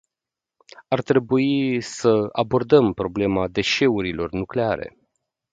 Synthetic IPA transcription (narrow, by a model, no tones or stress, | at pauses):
art̪ɾe̞buisəa̰bo̞rd̪əmpɾo̞ble̞mad̪e̞ʃe̞uɾilo̞rnukle̞aɾe̞̰